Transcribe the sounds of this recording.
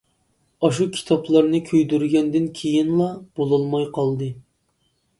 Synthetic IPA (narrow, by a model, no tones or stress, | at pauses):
ɑʃukʲʰi̥t̪ʰɑplˠɑɾnɨkʲʰøjd̪yɾɡʲɛnd̪ɪnkʲʰejinlˠɑb̥olˠɑlˠmɑjqʰɑlˠd̪ɨ